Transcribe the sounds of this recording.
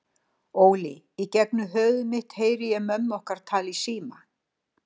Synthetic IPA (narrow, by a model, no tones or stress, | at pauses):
oːwlɪ | icɛk̚nʏɦœːðʏmɪht̪heːjɾɪjɛmœmːɔhkaɾ̥t̪ʰaːlisiːma